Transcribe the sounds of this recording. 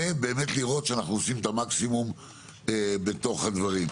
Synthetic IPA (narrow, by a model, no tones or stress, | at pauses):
ebe̞ːme̞tliʁo̞t̪ʃeanaχnuosimet̪amaksimum | ebe̞t̪o̞χhad̪vaʁim